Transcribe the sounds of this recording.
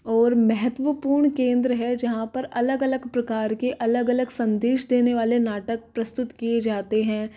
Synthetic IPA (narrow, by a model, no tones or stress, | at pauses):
ɔːɾmɛɦət̪ʋəpuːɾɳkẽːnd̪ɾəɦɛd͡ʒɐɦãpɐɾɐləɡɐləɡpɾɐkaːɾkeʔɐləɡɐləɡsɐ̃nd̪eːʃd̪eːneʋaːlenaːʈək̚pɾɐst̪ʊt̪kijed͡ʒaːt̪eɦɛ̃ː